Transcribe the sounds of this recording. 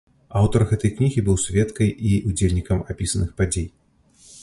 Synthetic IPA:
awt̪ɐrɣɛt̪ɐjknʲiɣʲibɨwsʲvʲɛt̪kɐjʔiud͡zʲelʲnʲikɐmapʲisɐnɨxpad͡zʲej

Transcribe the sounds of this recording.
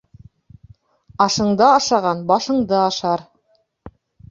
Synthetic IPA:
ɑʃɤ̆ɴd̪ɑɑʃɑʁɑnbɑʃɤ̆ɴd̪ɤɑʃɑɾ

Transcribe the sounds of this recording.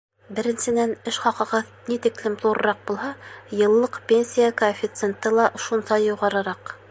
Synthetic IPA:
bɘ̆ɾɘ̆nsɘ̆nænɘʃχɑqɤ̆ʁɤðnit̪ĭklɘmt̪lˠuɾɤɾɑq̚bulˠhɑjɤ̆lˠːɤqpʲenʲsʲijakoafʲit̪sent̪ːɤlˠɑʔoʃunsɑjjuʁɑɾɤ̆ɾɑq

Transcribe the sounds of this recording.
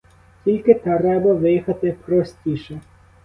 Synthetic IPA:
tʲilʲkɪt̪ɛɾɛbɐʋɪjixɐt̪ɪpɾɔsʲtʲiʃɛ

